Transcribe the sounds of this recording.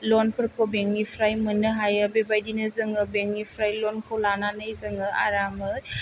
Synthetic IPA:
lɔnpʰɯɾkʰobeŋnipʰɾajmɯnɯɦajɯbebajdinɯzɯŋɯbeŋnipʰɾajlɔnkʰowlananɯjzɯŋɯa̰ɾamɯ

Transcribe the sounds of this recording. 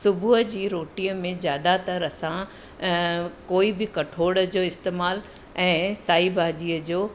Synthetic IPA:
sʊbʱʊɦəd͡ʑiːɾoːʈiːəmẽzjaːd̪at̪ɐɾɐsã | koːibɪkɐʈʰoːɽəd͡ʑoːɪst̪eːmaːl | ɛ̃ːsaːibʱaːd͡ʑiːəd͡ʑoː

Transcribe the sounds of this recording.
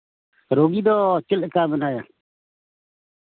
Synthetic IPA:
ɾoːɡiːd̪oːt͡ʃɪlkaːbənaːjaː

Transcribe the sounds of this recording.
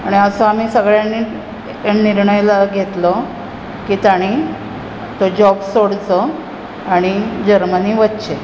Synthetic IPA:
aɽ̃iəsoam̤iːsəɡɭjani | eniɾɳəjlaɡʱet̪lə | kiːt̪aɽ̃i | t̪od͡ʑɔbsoɽt͡sə | aɽ̃id͡ʑəɾməniːʋətːt͡ɕe

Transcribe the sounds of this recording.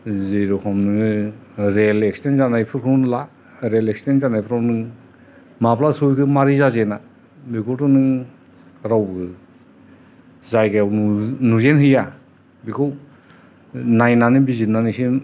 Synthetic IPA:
zejɾɔkʰɔmnɯŋ | ɾelekstenzanajpʰɯɾkʰɯnla | ɾelekstenzanajpʰɯɾawnɯŋ | maplasujkʰɯmaɾizazena | bikʰɔtɔnɯŋ | ɾawbɯ | zajɡeawnnuzenhɯja | bikʰɯw | najnanibizinanisi

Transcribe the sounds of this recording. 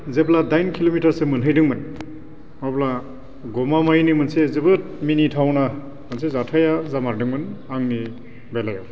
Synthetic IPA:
zepladajnkʰilomitaɾsemɯnɦɯjdɯŋmɯn | mɔpla | ɡɔmamajnimɯnsezɯbɯt̚minitʰawna | mɯnsezatʰajazamaɾdɯŋmɯnaŋni | bɛlajaw

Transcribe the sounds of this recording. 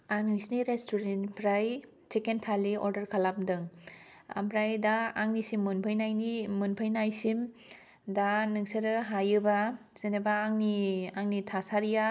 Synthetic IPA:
anɯŋsniɾestuɾenpʰɾaj | t͡ʃekentʰaliɔɾdɐɾkʰalamdɯŋ | a̰mpɾajdaːŋnisimːunpʰəjnajnimunpʰajnajsim | danɯŋseɾɯɦajɯbaz̥enɯbaːŋniaŋnitʰasaɾija

